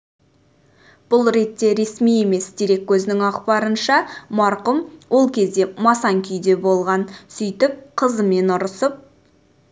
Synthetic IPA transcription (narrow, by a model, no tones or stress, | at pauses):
b̥ʊlˠɾe̞t̪ːe̞ɾe̞smije̞me̞sd̪eɾe̞kʲːʰɵzɪnɪŋɑqpɑɾənʃɑmɑɾqəmwo̞lˠkʲʰe̞zd̪e̞mɑsɑŋkʲʰʏjd̪e̞bo̞lˠʁɑnsʏjt̪ɪp̚qʰəzəme̞nʊɾəsəp̚